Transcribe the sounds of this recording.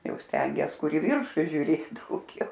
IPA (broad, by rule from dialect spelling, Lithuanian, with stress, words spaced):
ˈjɛʊ ˈsʲtʲɛŋʲɡʲiɛs ˈkʊr ɪ ˈʋʲɪrʃʊ ʒʲʊˈrʲeːt dɐʊˈɡʲɛʊ